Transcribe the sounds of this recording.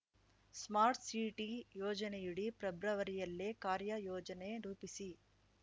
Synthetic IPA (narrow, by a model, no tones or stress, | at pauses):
smaːɾʈsiːʈijɔːd͡ʒɐnejuɽipɾɐbɾɐʋɐɾijɐlːekaːɾjɐjɔːd͡ʒɐneɾuːpisi